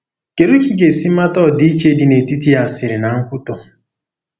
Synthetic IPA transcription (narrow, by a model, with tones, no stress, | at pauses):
ke˨ɾu˦ki˦ɡe˨si˦ma˦tɔ˦˨di˦i˦t͡ʃe˦di˨ne˨ti˦ti˦a˨sɪ˨ɾɪ˨na˨ŋ̩˦kʷʊ˦tɔ˨